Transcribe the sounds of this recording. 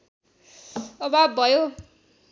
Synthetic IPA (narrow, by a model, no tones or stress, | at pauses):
ʌbʱabʱʌjo